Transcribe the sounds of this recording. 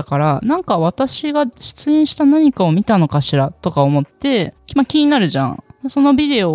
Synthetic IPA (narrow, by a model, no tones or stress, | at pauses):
kaɾanãŋkaβat̪aɕiɡaɕɨ̥t͡sɨĩɕi̥t̪anaɲ̟ikao̞mʲit̪ano̞kaɕiɾat̪o̞kaomo̞t̪ːe̞kmakʲiɲ̟inaɾɯ̟ʑã̰d̪aso̞no̞bʲid̪e̞o